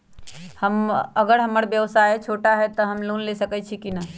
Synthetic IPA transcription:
həməɡəɾɦəməɾbjəʋsat͡ʃʰoːʈaɦɛt̪ɔɦəmluːnlesəkɛt͡ʃʰikina

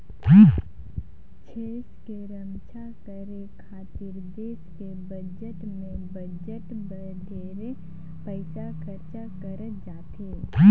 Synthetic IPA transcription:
t͡ʃʰeːskeɾəmt͡ʃʰakəɾekʰaːt̪ɪɾd̪eːskebəd͡ʒəʈmẽbəd͡ʒəʈbə | d̪ʱeːɾe | pəɪsakəɾt͡ʃakəɾət̪d͡ʒaːt̪eː

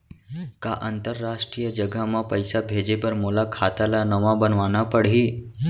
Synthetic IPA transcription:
ka̰ʔənt̪əɾːaʂʈɾijəd͡ʒəɡʱamãpəjsabʱed͡ʒepəɾmolakʰat̪alanəʋãbənʋanapəɽ̤iː

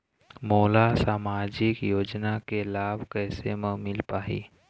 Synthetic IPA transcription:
moːlasaːmaːd͡ʒɪkjoːd͡ʒnakelaːbʱkɛːsemə̃mɪlpaːɦḭː

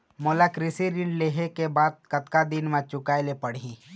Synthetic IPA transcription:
molakɾɪsiɾɪ̃ɳɖleːɦekebaːd̪̚kɐt̪kad̪inmãt͡ʃʊkaːelepɐɽi

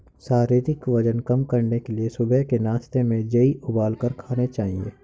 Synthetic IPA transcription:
saːɾeːd̪ɪkʋɐd͡ʒənkɐmkɐɾnekeliesʊbɛɦkenaːst̪emẽd͡ʒɐiʔʊbaːlkəɾkʰaːnet͡ʃaːɦiḛː

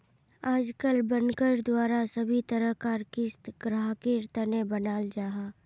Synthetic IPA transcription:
aːd͡ʒkəlbənkəɾd̪waːɾasəbʱit̪əɾəɦkaːɾkɪst̪ɡ̥ɾaːɦkiɾt̪ənebənaːld͡ʒaːɦaː

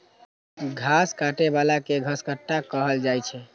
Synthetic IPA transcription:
ɡʱaskaʈebalakeɡʱəskəʈːakəɦəld͡ʒajt͡ʃʰɛ

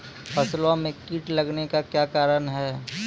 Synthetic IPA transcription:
pʰɐslõmẽkiːʈlɐɡnekakjaːkaːɾənɦɛː

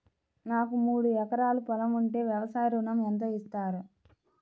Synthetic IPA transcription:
naːkumuːɽuɛkɐɾaːlupɐlɐmuɳʈe̞ːʋjɐʋɐsaːjɐɾunɐment̪̬ɐist̪aːɾu

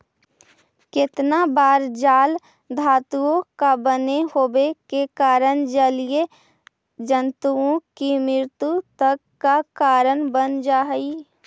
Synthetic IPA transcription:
kɪt̪nabaːɾd͡ʒaːl | d̪ʱaːt̪uõkabənehoːbekekaːɾənd͡ʒəlije | d͡ʒənt̪uõkimɪɾt̪ut̪əkːakaːɾənbənd͡ʒaːɦi

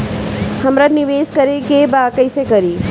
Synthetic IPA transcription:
həmɾəniʋeːskəɾekebakəjsekəɾiː

